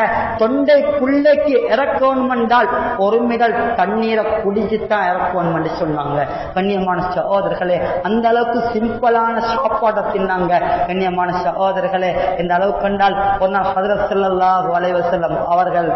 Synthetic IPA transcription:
ɐt̪ɔɳɖɐɪpʊɭːɐkːɯʔɪɾɐkːɐɐɳɯmɛɳɖaːl | ɔɾɯmɪɣɐɭt̪ɐɳːiːɾɐkʊɽɪɲd͡ʒɯt̪ːãːɪɾɐkːɐʋɐɳɯmɛɳdrɯsɔnːaːŋɡɐ | kɐɳːɪjɐmaːnɐsɐɦoːðɐɾɣɐɭeːɐnd̪ɐɐɭɐʋɯkːɯsɪmbɐlaːnɐʃaːpːaːɽɐt̪ːɪnnaːŋɡɐkɐnːɪjɐmaːnɐsɐɦoːðɐɾɣɐɭeːɛnd̪ɐːɭɐʋɯkːɐɳɖaːlɔɾɯnaːlhɐðɪɾɐt̪sɐlːɐlːaːɦɯɐlɐɪʋɐsɐlːɐmɐʋɐɾɣɐɭ

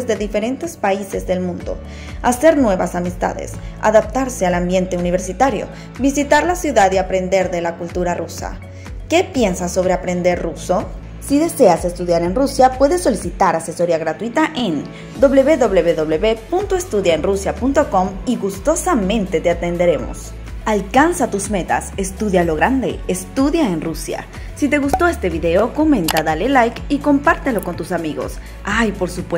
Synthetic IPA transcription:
zðe̞ðife̞ɾe̞nt̪e̞spaise̞zðe̞lmũnd̪o̞̰ | ase̞ɾnwe̞βa̰samist̪a̰ðḛsa̰ðap̚t̪aɾsealambje̞nt̪e̞uniβ̞e̞ɾsit̪aɾjo̰ | bisit̪aɾlasjuðaðiapɾe̞nd̪e̞ɾðe̞lakult̪uɾarusa̰ | ke̞pje̞nsaso̞β̞ɾe̞apɾe̞nd̪e̞ɾruso̞ | siðe̞se̞ase̞st̪uðjaɾe̞nrusjapwe̞ðe̞so̞lisit̪aɾaseso̞ɾiaɣɾat̪wit̪aʔen | d̪o̞βle̞βe̞ðo̞βleβeðo̞βleβepunt̪oest̪uðjaenrusjapunt̪o̞ko̞miɣust̪o̞samẽ̞nt̪e̞t̪eat̪e̞nd̪e̞ɾe̞mo̞̰s | alkansat̪uzme̞t̪a̰se̞st̪uðjalo̞ɣɾand̪e̞̰est̪uðjaenrusja̰ | sit̪e̞ɣust̪o̞est̪e̞βiðe̞o̞ko̞mẽnt̪aðalelajkiko̞mpaɾt̪elo̞ko̞nt̪usamiɣo̞̰s | ajpo̞ɾsupwe

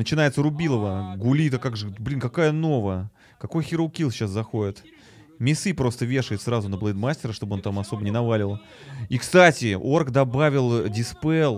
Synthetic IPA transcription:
nət͡ɕɪn̪ajɪt̪səɾʊbʲilˠəvəɡʊlʲit̪əkaɡʐɨblʲinkɐkajəno̞vəə | kɐko̞jxʲɪɾʊkʲilˠɕaszɐxoɪt̪ | mʲɪsɨpɾo̞st̪əvʲe̞ʂəjɪt̪sɾazʊnəblˠənd̪masʲtʲɪɾəʂt̪o̞bɨo̞nt̪amɐso̞bənʲɪnɐvalʲɪlˠ | ikst̪atʲɪorkd̪ɐbavʲɪlˠdʲɪspɛlˠ

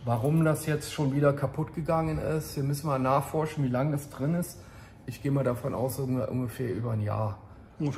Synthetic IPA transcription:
vaʁʊmdasjɛt͡stʃoːnviːdɐkʰapʰʊtɡ̥əɡaŋənɪstv̥iːɐmʏsn̩maːnaːχfɔɐʃn̩viːlaŋdɛsd̥ʁɪnɪst | ʔɪçɡ̥eːəmaːlɾafɔnʔa̰ʊsʔʊɡʔʊ̰nɡəfɛːɐʔyːbɐnja̰ːɐ

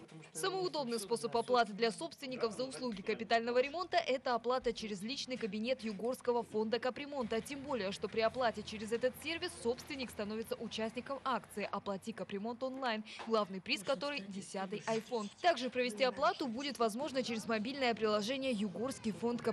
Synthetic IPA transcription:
səməʊd̪o̞bnɨjspo̞səpɐplˠat̪ɨd̪lʲɐso̞pst̪vʲɪnʲːɪkəfzəʊslˠuɡʲɪkəpʲɪt̪alʲnəvəɾʲɪmo̞nt̪əʔɛt̪əɐplˠat̪ət͡ɕɪɾʲɪzlʲit͡ɕnɨjkəbʲɪnʲe̞t̪jʊɡorskəvəfo̞nd̪əkəpɾʲɪmo̞nt̪ətʲembo̞lʲɪjəʂt̪o̞pɾʲɪɐplˠatʲɪt͡ɕɪɾʲɪzɛt̪ət̪sʲe̞rvʲɪsːo̞pst̪vʲɪnʲːɪkst̪ɐno̞vʲɪt̪səʔʊt͡ɕæsʲnʲɪkəmakt̪sɨɪʔɐplˠɐtʲikəpɾʲɪmo̞nt̪o̞nlˠajnɡlˠavnɨjpɾʲiskɐt̪o̞ɾɨjdʲɪsʲat̪ɨjʔɐjfo̞nt̪aɡʐɨpɾəvʲɪsʲtʲiɐplˠat̪ʊbudʲɪt̪vɐzmo̞ʐnət͡ɕɪɾʲɪzmɐbʲilʲnəjəpɾʲɪlˠɐʐɛnʲɪjəjʊɡorskʲɪjfo̞nt̪k

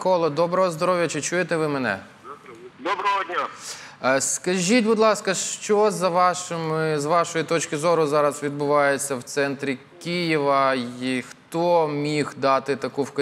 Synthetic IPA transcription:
kɔlˠɔd̪ɔbɾɔɦɔzd̪ɔɾɔʋʲjɐt͡ʃɪt͡ʃujet̪ɛʋɪmɛnɛ̰ | d̪ɔbɾɔɦɔdʲnʲa | skɐʒʲitʲbʊd̪lˠɑskɐʃt͡ʃɔzɐʋɑʃɪmɪzʋɑʃɔjit̪ɔt͡ʃkɪzɔɾʊzɑɾɐzʋʲid̪̚bʊʋɑjet͡sʲːɐwt̪sɛnt̪ɾʲikʲijiʋɐxt̪ɔmʲixd̪ɑt̪ɪt̪ɐkuwkɐ

